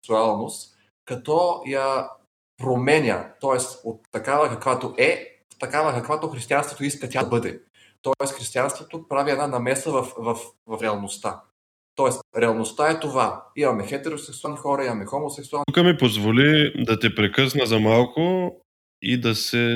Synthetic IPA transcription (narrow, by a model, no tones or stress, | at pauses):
ksualˠnost̪ | kɐt̪ɔjɐ | pɾomɛnʲə̰t̪ɔɛsot̪ːɐkavɐkɐkvat̪oʔɛ | t̪ɐkavɐkɐkvat̪oxɾist̪ianst̪vo̥t̪oiskət̪ʲabɤd̪ɛ | t̪ɔɛsxɾist̪ijanst̪vot̪opɾaviɛd̪nanɐmɛsəvɐfvɐfvɐfɾɛɐlˠnost̪a | t̪ɔɛsɾɛɐlˠnost̪aɛt̪ovaimɐmɛxɛt̪ɛɾosɛksualnixɔɾɐimɐmɛxomosɛksualˠkəmipozvolid̪ɐt̪ɛpɾɛkɤsnəzɐmalˠkʊ | id̪ɐsɛ